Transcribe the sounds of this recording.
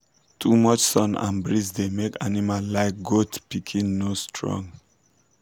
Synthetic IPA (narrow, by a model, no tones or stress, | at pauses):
tʰumɔt͡ʃsɔ̃nã̰nbɹisdemekʰanimallaɪk̚ɡotpikʰĩnːostʰɹɔ̰̃ŋ